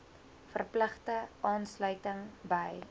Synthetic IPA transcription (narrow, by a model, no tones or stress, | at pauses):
fərpləχtəʔɑːnslœɥtəŋbəj